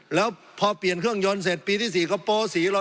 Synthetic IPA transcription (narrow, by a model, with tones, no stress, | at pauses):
lɛː˦˥w | pʰɔː˧pli˨˩ənkʰɯ˥˩əŋjo˧ns̬eː˨˩t̪̚piː˧t̪ʰiː˥˩siː˨˩kɔː˧˩poː˧siː˩˦lɔ˧